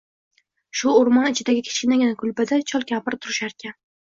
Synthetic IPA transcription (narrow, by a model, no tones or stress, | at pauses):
ʃʊːɾmɒnɪt͡ʃʰɪd̪aɡʲɪkʲʰɪ̥ʃɪnɪɡʲanakʰʊlbɪd̪at͡ʃʰɒlˠkʲapɪɾt̪ʰʊɾɪʃaɾkʲan